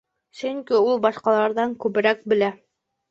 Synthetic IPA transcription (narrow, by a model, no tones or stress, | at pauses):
sɵŋkiulˠbɑʃqɑlˠɑɾðɑŋkʉβɘ̆ɾæk̚bɘ̆læ